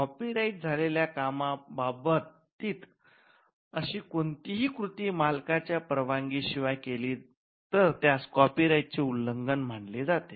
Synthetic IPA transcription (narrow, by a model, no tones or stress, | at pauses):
kɔpiɾaiʈ̚d͡zʱaleljakamababət̪ː | iːt̪ | əɕiːkoɳt̪iɦiːkɾut̪iːmalkat͡ɕjapɾəʋaŋɡiːɕiʋajkeliː | t̪əɾt̪jat͡skɔpiɾaiʈ̚t͡seuləŋɡənm̤əɳled͡zat̪e